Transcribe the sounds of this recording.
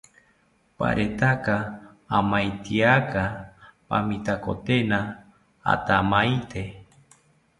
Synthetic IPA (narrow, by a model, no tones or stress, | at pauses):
pa̰ɾʔet̪akaː | majt̪iakapa̰mit̪ako̰t̪ena | a̰t̪amajt̪e